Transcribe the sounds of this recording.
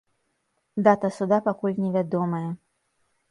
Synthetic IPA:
d̪at̪ɐsud̪apakulʲnʲɛvʲad̪ɔmɐjɛ

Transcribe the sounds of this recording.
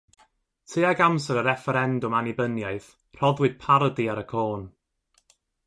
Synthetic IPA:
tʰiaɡamsəɾəɾɛfəɾɛndʊmanɪbənjajθ | r̥ɔðwɪd̥̚pʰaɾɔdiaɾəkʰoːn

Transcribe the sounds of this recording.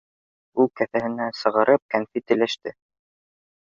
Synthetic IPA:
ulˠkæθæhɘ̆næsɤ̆ʁɤ̆ɾʔɤp̚kænfit̪ɘ̆læʃt̪ɘ

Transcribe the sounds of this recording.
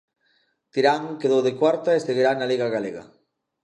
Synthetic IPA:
t̪iɾaŋkeðowðekwaɾt̪aesθeðiɾanaliɣaɣaleɣa̰

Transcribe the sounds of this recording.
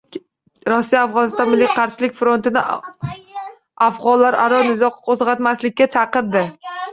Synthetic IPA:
ɾɒsːijaafʁɒnɪst̪ɒnmɪlːijqʰɑɾʃɪlɪkʲfɾo̞nt̪ɪnɪ | afʁɒllːaɾʔaɾɒnɪzɒqʰozʁɑt̪maslɪkʲːat͡ʃʰɑqɨɾd̪ɪ

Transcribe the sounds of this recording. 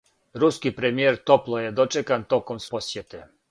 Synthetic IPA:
ɾuskipɾɛmjɛɾt̪ɔplˠɔjɛd̪ɔt͡ʃɛkant̪ɔkɔmspɔsʲjɛt̪ɛ

